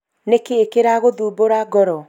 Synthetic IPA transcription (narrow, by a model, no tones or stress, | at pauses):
nekeːkeɾaɣoðuːboɾaɡɔɾɔ